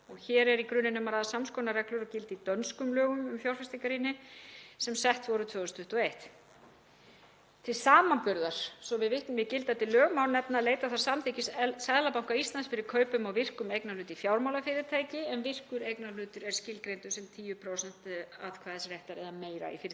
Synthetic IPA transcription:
ɔɣçɛːɾɛɾikɾʏnːɪnːʏmaɾaðasamskɔːnaɾɛklʏɾɔcɪlt̪it̪œnskʏmlœːɣʏmʏmfjawɾfɪst̪ikaɾinːɪsɛmsɛht̪vɔɾʏt̪ʰvœːɣʏst̪ʰʏht̪ɔejht̪ | t̪ʰɪlsaːmanpʏɾðaɾ̥sɔvɪðvɪht̪nʏmvɪðcɪlt̪at̪ʰɪlːœːɣmawnnɛp̚naleːjt̪aθaɾ̥samθɪːcɪssɛðlapawŋkaist̪ansfɪɾɪɾ̥kʰœːɥpʏmawvɪr̥kʏmejknalʏːt̪ɪifjawɾmawlafɪɾɪðt̪ʰaːjcɪɛnvɪr̥kʏɾejknalʏːt̪ʏɾɛɾ̥scɪlkɾejnt̪ʏ̥sɛmt̪ʰiːjʏpʰɾowsɛn̥t̪aðkʰvaːðɛsrjɛht̪aɾɛðameːjɾa̰ḭfɪɾɪt̪

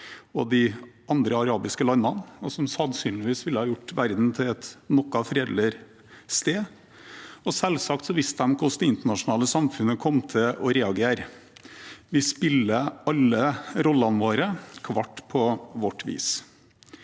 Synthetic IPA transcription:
ɔd̪ɪʔɑnd̪ɾəɑɾɑːbɪskəlɑnmɑnɔsɔmsɑnsyːnlɪʋiːsʋɪlːəhɑːjʊʈːʋæɾd̪n̩t̪ʰɪɛt̪nɔkːɑfɾeːd̪lɪɾ | st̪eː | ɔsɛlsɑkt̪sɔʋɪst̪əd̪ɛmkʰʊsd̪ɛɪnt̪əɳɑʂʊnɑːləsɑmfʉnəkʰɔmt̪ʰɪɔɾɛːɑɡeːɾ | ʋɪspɪlːəɑlːəɾɔlːɑnʋoːɾəkʰʋɑʈːpʰɔʋɔʈːʋḭːs

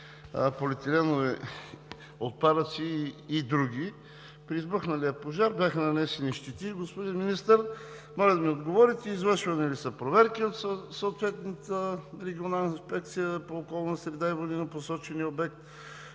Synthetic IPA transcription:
polɛt̪ɛlɛnovɛ | ot̪̚pad̪ət̪siːd̪ɾuɡ̟ʲi | pɾiːzbɤxnɐlijəpoʒaɾbʲjaxənɐnɛsɛniʃt̪ɛt̪iɡospod̪inminist̪əɾ | mɔlʲəd̪ɐmiod̪ɡovɔɾit̪ɛizvəʃvɐnɛlisəpɾovɛɾkiot̪ssoot̪vɛt̪nət̪əɾɛɡʲionalˠnəinspɛk̚t̪sijəpoːkɔlˠnsɾɛd̪aivod̪inəposɔt͡ʃɛniəobɛk̚t̪

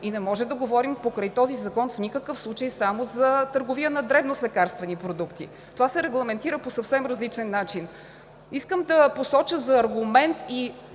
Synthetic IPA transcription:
inɛmɔʒɛd̪ɐɡovɔɾimpokɾəjt̪ɔzizɐkɔnfnikəkɤfslˠut͡ʃəjsamozɐt̪əɾɡovijənɐd̪ɾɛbnoslɛkaɾst̪vɛnipɾod̪ukt̪ḭ | t̪ovasɛɾɛɡlˠɐmɛnt̪iɾəposɐfsɛmɾɐzlit͡ʃɛnːat͡ʃin | iskəmd̪ɐposɔt͡ʃəzɐːɾɡumɛnt̪i

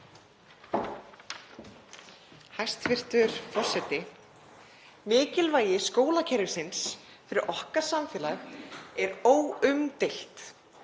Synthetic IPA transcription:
hajst̪fɪr̥t̪ʏɾ̥fɔr̥sɛt̪ɪ | mɪːcɪlvaːjɪskoːwlacʰɛɾɪsɪns | fɪɾɪɾʔɔhkḁsamfɛːlaxɛɾoːwʏmt̪ejl̥t̪

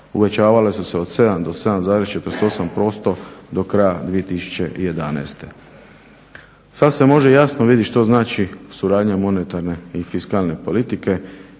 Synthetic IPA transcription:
uʋe̞t͡ɕaːʋalesuseo̞d̪̥se̞d̪amd̪o̞se̞d̪amzaːd̪ɾest͡ʃe̞t̪ɾst̪o̞sampɾo̞ːst̪o̞d̪o̞kɾajad̪ʋije̞t̪isu̥t͡ɕe̞̰ʔije̞d̪anḛːst̪e̞̰ | sad̪se̞mo̞ʒejasnoʋid̪iʃt̪o̞znaːt͡ʃisuɾaːd̪ɲamo̞net̪aɾne̞ifiskalne̞po̞lit̪ike̞

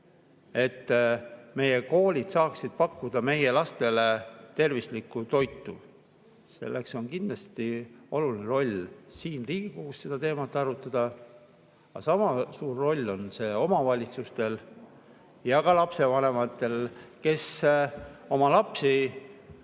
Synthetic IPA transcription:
e̞t̪ːme̞je̞ko̞ːlʲid̪̥sɑːksid̪̥̚pɑkːud̪̥ɑme̞je̞lɑst̪e̞le̞t̪e̞rvislikːˑut̪o̞jt̪ːˑu | se̞̰lːe̞kso̞nkind̪̥lɑst̪io̞lulineɾo̞lʲsiːnliːɡ̥ikukusse̞d̪ɑt̪e̞ːmɑt̪ːˑɑɾut̪ːˑɑd̪̥ɑ | ɑsɑmɑsuːrːo̞lʲːo̞nse̞o̞mɑvɑlʲit̪sust̪e̞l | jɑkɑlɑpse̞vɑne̞mɑt̪ˑːe̞lke̞s | o̞mɑlɑpsi

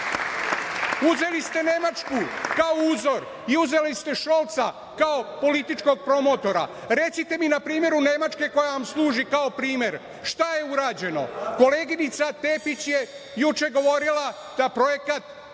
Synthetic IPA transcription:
uze̞list̪e̞ne̞mat͡ʃkukaouːzo̞ɾ | iuze̞list̪e̞ʃo̞lˠt̪sa | kaopo̞lit̪it͡ʃko̞ɡ̚pɾo̞mo̞t̪o̞ɾa̰ | ɾe̞t̪sit̪e̞minapɾiːmje̞ɾune̞mat͡ʃke̞ko̞jaʋamslˠuːʒikaopɾiːmje̞ɾ | ʃt̪aje̞uɾaːd͡ʑe̞no̞̰ko̞le̞ːɡinit̪sat̪e̞ːpit͡ɕje | jut͡ʃe̞ɡo̞ʋo̞ɾila | d̪apɾo̞je̞kat̪

